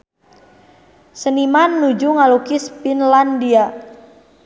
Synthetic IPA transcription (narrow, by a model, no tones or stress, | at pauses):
sənimanːud͡ʒuŋalukispinlandia